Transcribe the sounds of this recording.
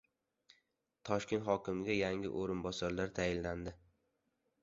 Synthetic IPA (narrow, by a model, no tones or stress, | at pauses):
t̪ʰɒʃkʲe̞nt̪χɒkʲɪmɪɡʲajaŋɪ̰ʔoɾɪnbɒsaɾlaɾt̪ʰajɪlːand̪ɪ